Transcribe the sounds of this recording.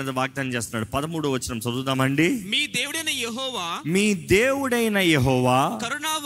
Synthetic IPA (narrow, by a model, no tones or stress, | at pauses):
ɐd̪ɐʋaːɡ̚d̪aːnt͡ʃeːst̪unːaːɽupɐd̪ɐmuːɽuʋɐt͡ʃːinɐmsɐd̪uːt̪ɐːmɐɳɖimiːd̪eːwuɽɐjnɐjeɦɔːʋaːmiːd̪eːʋuɽɐjnɐjeɦɔːʋaːkɐɾunaːʋ